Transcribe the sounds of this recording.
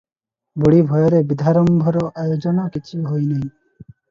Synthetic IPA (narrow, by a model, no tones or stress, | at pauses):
buɽibʱɔjɔɾebid̪ʱaɾɔmbʱɔɾɔʔajod͡ʒɔnɔkit͡ʃʰiɦojnej